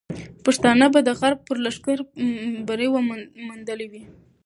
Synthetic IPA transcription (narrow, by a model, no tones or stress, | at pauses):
paʂt̪ɑnəbad̪əɣaɾb̚pəɾlaʂkaɾbaɾewəmund̪əliwi